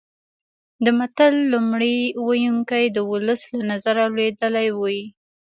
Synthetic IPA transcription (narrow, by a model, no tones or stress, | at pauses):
d̪əmat̪alːumɽiwajuŋkajd̪əwʊləslanazaɾaled̪əlajwoji